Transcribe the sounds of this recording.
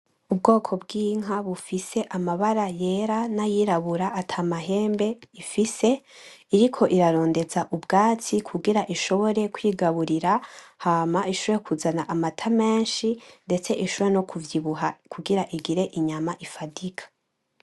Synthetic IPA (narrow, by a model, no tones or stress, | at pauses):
ubɡo̞ːkʰo̞bɡiːŋɦaβufise̞ʔamaβaɾaje̞ɾanajiɾaβuɾaʔːtʰaːmaɦe̞ːmbe̞ifise̞iɾikʰo̞ʔiɾaɾo̞ːnde̞zaʔubɡaːt͡sikʰuɡiɾaʔiʃo̞βo̞ɾe̞kwiːɡaβuɾiɾahaːmaiʃoɾekʰuzanaʔamatʰame̞ːnʃinde̞t͡se̞ʔiʃooɾenokʰuvjiβuɦakʰuɡiɾaʔiɡiɾe̞ʔiɲamaʔifadikʰḁ